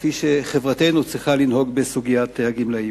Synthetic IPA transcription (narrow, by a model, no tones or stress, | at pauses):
fiʃe̞χevʁate̞nut͡sʁiχalinho̞ɡbesuɡijat̪ehaɡimlai